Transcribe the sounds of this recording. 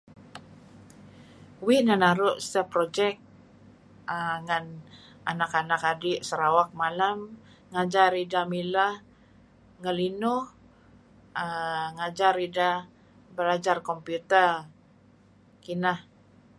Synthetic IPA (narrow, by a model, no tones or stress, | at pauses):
wiʔnanaɾʊʔsəpɾod͡ʒɛk̚ | əŋan | ʔa̰nakanakadɪʔsəɾawak̚malam | ŋad͡ʒaridamilah | ŋəlinʊh | əŋad͡ʒaɾida | bəɾad͡ʒarkɔmpjut̪ər | kinah